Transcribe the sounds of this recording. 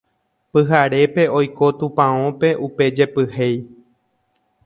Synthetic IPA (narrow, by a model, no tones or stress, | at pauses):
pɨɦaɾe̞pe̞o̞jko̞t̪ũpãõpe̞ʔupe̞d͡ʒe̞pɨhej